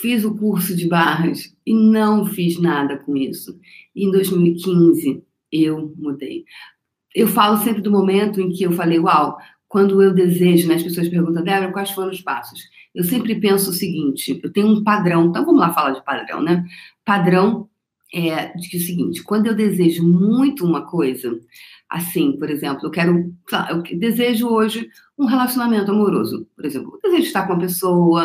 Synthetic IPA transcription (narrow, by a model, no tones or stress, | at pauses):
fizʊkuɾsʊd͡ʒɪbaɦɐs | ɪnɐ̃w̃fiznad̪ɐkõisʊ | ɪẽd̪ojzmiwɪkʰĩzɪ | ewmud̪ḛj | ewfalʊsẽmpɾɪd̪ʊmomẽnt̪ʊẽj̃kɪewfalejɡwaw | kwɐ̃nd̪ʊewd̪ezeʒʊnɛɐʃpesoɐʃpeɦɡũt̪̬ɐ̃d̪ɛbɾɐ̃kwajsfoɾɐ̃ʊspa̰sʊ̥s | ewsẽmpɾɪpẽsʊːsɪɡĩt͡ʃɪewt̪ẽjɲʊũpad̪ɾɐ̃w̪̃ɐ̃w̃kɐ̃mʊlafalad͡ʒɪpad̪ɾɐ̰̃w̃nɛpad̪ɾɐ̃w̃ | ɛd͡ʒɪkɪʊsɪɡḭ̃nt͡ʃɪ̥kwɐ̃nd̪ʊewd̪ezeʒʊmũj̃t̪ʊũmɐkojzɐa̰sĩpoɾezẽmplʊewkɛɾʊsela̰ʔewkd̪ezeʒʊoʒɪ | ũɦelasjonamẽnt̪ʊamoɾo̰zʊ̰poɾezẽplʊd̪ezeʒʊd͡ʒɪʃt̪aɾkõũmɐpesowɐ